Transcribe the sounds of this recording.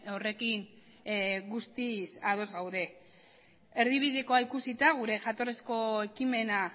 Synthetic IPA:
ore̞kin | ɡust̪isað̞o̞zɣawðe̞ | e̞ɾðiβiðeko̞aikusit̪aɣ̞uɾe̞ʝat̪o̞resko̞e̞kime̞na

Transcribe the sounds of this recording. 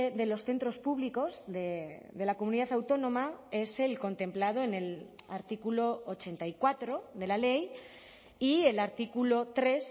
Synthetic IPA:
eðe̞lo̞sθe̞nt̪ɾo̞spuβliko̞zðeðe̞lakomuniðaθawt̪o̞nõ̞mae̞se̞lko̞nt̪e̞mplað̞o̞ene̞laɾt̪ikulo̞ot͡ʃe̞nt̪aikwat̪ɾo̞ðe̞lale̞j | ie̞laɾt̪ikulo̞t̪ɾe̞s

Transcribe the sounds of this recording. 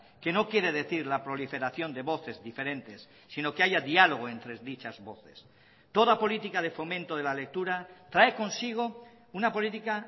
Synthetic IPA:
ke̞no̞kje̞ɾe̞ðe̞θiɾlapɾo̞life̞ɾaθjo̞nd̪e̞βo̞θe̞zðife̞ɾẽ̞nt̪e̞sːino̞keaʝaðialo̞ɣ̞o̞e̞nt̪ɾezðit͡ʃazβo̞θe̞s | t̪o̞ðapo̞lit̪ikaðe̞fo̞mẽnt̪o̞ð̞e̞lale̞k̚t̪uɾat̪ɾaeko̞nsiɣ̞o̞ | unapo̞lit̪ika

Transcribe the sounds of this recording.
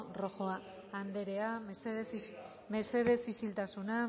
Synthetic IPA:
ro̞xoaː | nd̪e̞ɾe̞a | me̞se̞ðe̞sisilt̪asuna

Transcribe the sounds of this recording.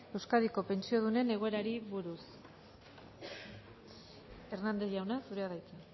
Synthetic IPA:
e̞wskaðiko̞pe̞nsio̞ð̞une̞ne̞ɣo̞e̞ɾaɾiβuɾus | e̞rnand̪e̞ʝawnasuɾe̞aðajt͡se

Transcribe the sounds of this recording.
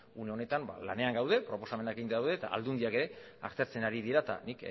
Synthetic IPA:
une̞o̞ne̞t̪amba̰la̰ne̞aŋɡawð̞e̞pɾo̞po̞same̞nakeɣinawðet̪a̰ʔa̰ld̪und̪iake̞ɾe̞ | a̰ɾt̪e̞ɾt͡se̞naɾið̞iɾat̪a̰nik

